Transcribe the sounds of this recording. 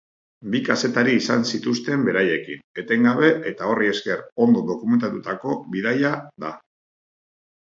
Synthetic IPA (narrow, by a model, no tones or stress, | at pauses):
bikase̞t̪aɾiːsansit̪ust̪e̞mbe̞ɾaje̞kine̞t̪e̞ŋɡaβe̞ʔe̞t̪ao̞rie̞ske̞ro̞nd̪o̞ðo̞kume̞nt̪at̪ut̪ako̞βiðajaða